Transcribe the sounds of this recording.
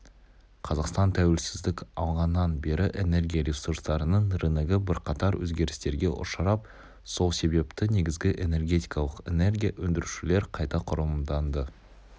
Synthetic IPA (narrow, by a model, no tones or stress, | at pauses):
qʰɑzɑqst̪ɑnt̪ʰæwelsɪzd̪ɪkʲɑlˠʁɑnːɑnbe̞ɾɪʔene̞ɾɡʲijaɾʲisuɾst̪ɑɾənəɴɾɪnɪɡʲɪbɪɾqʰɑt̪ɑɾwɵ̰zɡʲe̞ɾɪst̪e̞ɾɡʲe̞ʔʊ̰ɾʃɑɾɑp̚ | so̞lˠse̞be̞pt̪ɪne̞ɡʲɪzɡʲɪʔe̞ne̞rɡʲe̞t̪ijkɑlˠəqe̞ne̞rɡʲijawɵnd̪ɪɾʉʃɪle̞ɾqʰɑjt̪ɑqʰʊɾəmd̪ɑnd̪ə